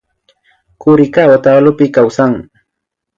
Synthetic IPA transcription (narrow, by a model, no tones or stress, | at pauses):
kʊɾɪkawat̪aːlʊpɪkawsaŋ